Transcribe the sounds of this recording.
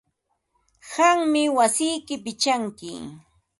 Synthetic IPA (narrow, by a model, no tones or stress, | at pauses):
ɢɑŋmɪwasɪjkɪpɪt͡ʃaŋkɪ̰